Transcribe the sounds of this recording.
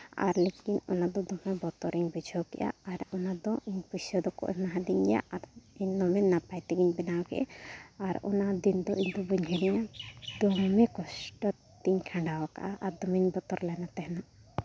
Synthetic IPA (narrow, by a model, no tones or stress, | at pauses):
a̰ɾlekinɔnad̪ɔd̪ɔmɛbɔt̪ɔɾiɲbid͡ʒʱɔkɛ̰ʔja̰aɾɔnad̪ɔiɲpusɔd̪ɔkɔ̰ʔnaɦad̪iɲja̰ʔaɾiɲnɔmɛnapajt̪ɛɡiɲbɛnawkɛ̰ʔɛ̰aɾɔ̰nad̪ind̪ɔʔiɲd̪ɔbuɲɦɛɾiɲad̪ɔŋmɛkɔsʈɔ | t̪iɲkʰãɳɖawaka̰ʔaʔaɾd̪ɔmiɲbɔt̪ɔɾlanat̪ɛɦɛna